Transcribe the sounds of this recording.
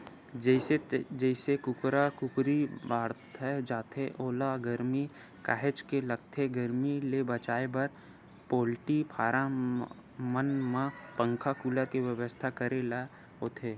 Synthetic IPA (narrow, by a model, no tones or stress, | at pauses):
d͡ʒɛed͡ʒɛɪsekʊkɾakʊkɾibaːɽt̪ʰɛd͡ʒaːt̪ʰeʔoːlaɡəɾmi | ka̰ːɦet͡ʃkelɐɡt̪ʰeɡəɾmilebət͡ʃaːebɐɾ | poːlʈipʰaːɾã | mənmãpə̃ŋkʰakuːləɾkiʋəʋəst̪ʰakəɾela | oːt̪ʰeː